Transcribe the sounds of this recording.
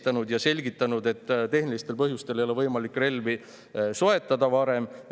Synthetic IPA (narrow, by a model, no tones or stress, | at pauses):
t̪ɑnud̪jɑse̞lʲɡit̪ːˑɑnud̪e̞t̪ːt̪e̞ɦnilist̪e̞lpɤɦjust̪e̞lejoe̞vɤjmɑlikːˑre̞lvi | so̞e̞t̪ːˑɑd̪ɑvɑɾe̞m